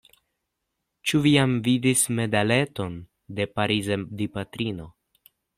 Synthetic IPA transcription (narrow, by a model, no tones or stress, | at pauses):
t͡ʃuviamvidisme̞dale̞to̞n | de̞paɾizedipatɾino̞